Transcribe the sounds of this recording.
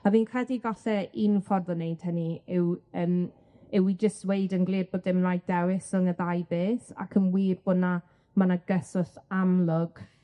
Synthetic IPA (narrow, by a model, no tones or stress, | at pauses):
aviːnkʰrɛdivaɬɛinfɔrðɔnejd̥həniɪwəːm | ɪwid͡ʒəstwejdənɡlˠiːrbodɪmlˠaj̚d̥ɛwɪsəŋəðajbeːθa̰kʰənwiːrb̥ʊna | manaɡəsɔɬamlˠʊɡ̥